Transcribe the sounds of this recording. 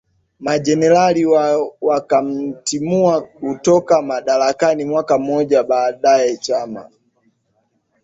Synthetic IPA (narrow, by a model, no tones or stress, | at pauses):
mad͡ʒɛnɛlaliwwakam̩timuakutɔkamaɗalakanimwakam̩ɔɟabaːdaɛt͡ʃama̰